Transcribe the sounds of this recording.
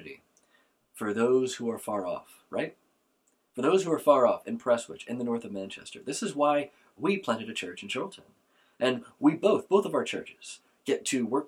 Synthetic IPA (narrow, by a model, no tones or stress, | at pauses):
ɾḭ | fə˞ðoʊz̥huə˞fɑɹɔ̰f | ɹaɪt̚ | fə˞ðoʊz̥huə˞fɑɹɔfɨ̃npʰɹ̥ɛswɪ̰t͡ʃɨ̃nðɨnɔɹθʌvmæ̃nt͡ʃʰɛ̰stə̰˞ðɪsɨzwaɪ | wipʰl̥æ̃ñtɨɾɨt͡ʃʰɜ˞t͡ʃn̩ʃoʊlˠtʰə̃n | ʔɨ̃nwiboʊθb̥oʊθʌvaʊə˞t͡ʃʰɜ̰˞t͡ʃɨz̥ | ɡ̥ɛtʰɨwɜ˞